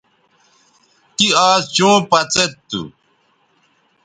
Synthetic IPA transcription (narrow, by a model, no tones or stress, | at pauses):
kiaːzt͡ɕõːpɐt͡set̪t̪ːṵ